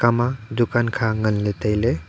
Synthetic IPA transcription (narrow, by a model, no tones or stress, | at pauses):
kamadukankʰaŋɐnlɯtajle